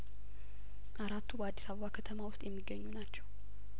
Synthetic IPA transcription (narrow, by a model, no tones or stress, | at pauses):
ʔaɾat̪ːubəad̪ːisaβəβakʰət̪ʰəmawʊst̪ʼjɛmːiɡːəɲːunat͡ʃːɛw